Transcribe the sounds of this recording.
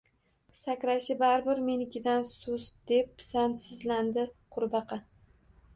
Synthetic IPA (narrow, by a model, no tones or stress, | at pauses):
sakʲɾaʃɪbaɾbɪɾmenɪkʲɪd̪ansʊzd̪e̞p̚ːsansɪzland̪ɪqʰʊɾbɑqʰɑ